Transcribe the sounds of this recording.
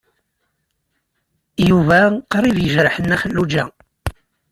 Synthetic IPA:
juvæqɾˤivjəʒɾəħənːæxəlːud͡ʒæ̰

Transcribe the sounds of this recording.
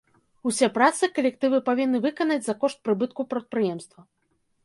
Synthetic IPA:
usʲɛpɾat̪sɨkɐlʲɛk̚t̪ɨvɨpavʲinːɨvɨkɐnɐd͡zʲzɐkɔʂt̪̚pɾɨbɨt̪̚kupɾɐt̪̚pɾɨjɛmst̪vɐ

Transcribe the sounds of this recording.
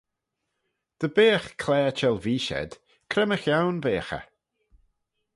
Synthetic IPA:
d̪̥əbeːxkʰlɛːt͡ʃɛlviːʃɛ̰d̪̥ | kʰɾɛməxjawnveːxə̰

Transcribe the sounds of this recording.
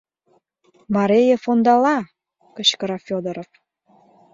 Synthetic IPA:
mɑɾejəfond̪ɑlɑ | kət͡ɕkəɾɑfʲod̪əɾof

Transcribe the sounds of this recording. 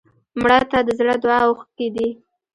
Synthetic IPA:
mɽat̪ad̪əzɽəd̪wɑwx̚ked̪i

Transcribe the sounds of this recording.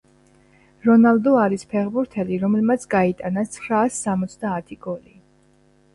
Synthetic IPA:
ɾɔnalˠd̪ɔaɾispʰɛʁbuɾt̪ʰɛliɾɔmɛlmat̪sʰɡait̪ʼanat̪sʰχɾaːsːamɔt̪sʰd̪aːt̪ʰiɡɔli

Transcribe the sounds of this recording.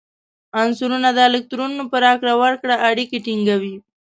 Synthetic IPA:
ansuɾunad̪əalɪk̚t̪ɾunːupəɾɑkɾawəɾkɽaʔːɽikiʈiŋɡawi

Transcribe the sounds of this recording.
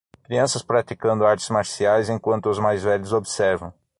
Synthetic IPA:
kɾiɐ̃sɐspɾat̪ikɐ̃nd̪ʊaɾt͡ʃ̪ɪ̥zmaɾsiajzẽkwɐ̃nt̪ʊʊzmajzvɛʎʊzobsɛɾvɐ̃w̃

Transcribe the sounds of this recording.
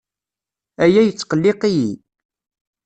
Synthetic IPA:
æjæjət͡sːqəlːɪqiji

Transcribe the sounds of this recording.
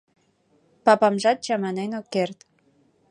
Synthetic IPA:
pɑpɑmʒɑt̪̚t͡ɕɑmɑnenokert̪

